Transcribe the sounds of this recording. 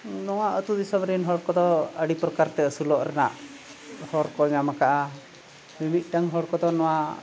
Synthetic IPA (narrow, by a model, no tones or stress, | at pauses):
nɔwaʔət̪ud̪isɔmɾinɦɔɽkɔd̪ɔəɖipɾɔkaɾt̪ɛəsulɔʔɾɛna̰ʔ | hɔɾkɔɲamakaʔa | mimit̪̚ˀʈaŋɦɔɽkɔd̪ɔnɔwa